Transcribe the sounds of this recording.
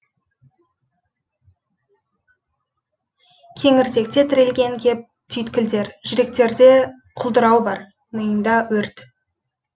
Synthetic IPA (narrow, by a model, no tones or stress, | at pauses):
kʲʰe̞ŋɪɾze̞k̚t̪e̞t̪ʰɪɾe̞lɡʲe̞ŋkʲʰe̞p̚ | t̪ʰʏjt̪kʲɪld̪e̞ɾʒʏɾe̞k̚t̪e̞ɾd̪e̞ | qʰʊlˠd̪əɾɑwbɑɾ | məjənd̪ɑwɵɾt̪